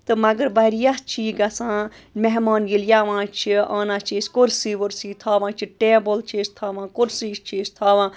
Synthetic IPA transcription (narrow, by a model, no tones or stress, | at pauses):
t̪ɨmɐɡəɾbɐɾjast͡ʃʰiːɡɐsãːmeɦmaːnɡiljaʋãːt͡ʃʰia̰ːnaːt͡ʃʰeːskoɾsiːʋoɾsiːt̪ʰaːʋãːt͡ʃʰiʈeːbəlt͡ʃʰest̪ʰaːʋãːkoɾsiːst͡ʃʰeːst̪ʰaːʋãː